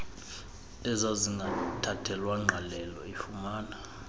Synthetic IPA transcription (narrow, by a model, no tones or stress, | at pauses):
tʼɛzaziŋɡʱatʰatʰɛlwaŋ͡ǁʱalɛlɔifumaːna